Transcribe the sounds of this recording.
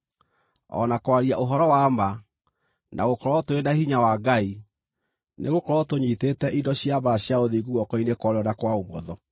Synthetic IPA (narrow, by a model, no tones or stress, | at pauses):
ɔ̰nakwaɾiaʔoɦɔɾɔwama | nʔa̰ɣokɔɾɔtoenahiɲawaɡai | nʔḛɣokɔɾɔtoɲitetɛʔindɔɕjaβaɕjaoðiɡuwɔkɔinekwɔɾeɔnakwaomɔðɔ